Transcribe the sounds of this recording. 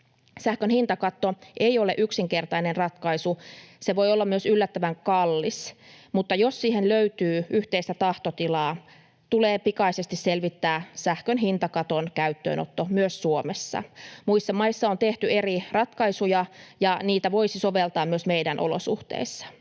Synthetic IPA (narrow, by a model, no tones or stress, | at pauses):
sæhkønhint̪ɑkɑt̪ːoʔeioleʔyksiŋkert̪ɑinenrɑt̪kɑisuseʋo̞jolːɑmmyøsylːæt̪ːæʋæŋkɑlːismut̪ːɑjossiːhenløyt̪yːyht̪eist̪æt̪ɑht̪ot̪ilɑː | t̪uleːpikɑisest̪isselʋit̪ːæːsæhkønɦint̪ɑkɑt̪onkæyt̪ːø̰ːnʔo̰t̪ːomyøssuomesːɑ̰muisːɑmɑisːɑont̪eht̪yerirɑt̪kɑisujɑjɑniːt̪æʋo̞isisoʋelt̪ɑːmmyøsmeidænʔo̰lo̰sṵht̪ḛisːɑ̥